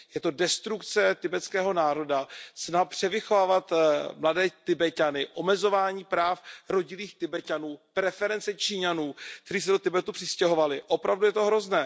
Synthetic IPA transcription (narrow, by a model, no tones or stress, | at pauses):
jɛt̪o̞dɛst̪ɾukt͡sɛt̪ɪbɛt͡skɛːɦo̞naːɾo̞dasnapr̝̥ɛvɪxovaːvat̪mladɛːt̪ɪbɛcanɪʔo̞mɛzo̞vaːɲiːpɾaːfɾo̞ɟɪliːxt̪ɪbɛcanuːpɾɛfɛɾɛnt͡sɛt͡ʃiɲanuːk̚t̪ɛɾiːs̬ɛdo̞t̪ɪbɛt̪upr̥ɪscɛɦo̞valɪʔo̞pɾavdujɛt̪o̞ɦɾo̞znɛː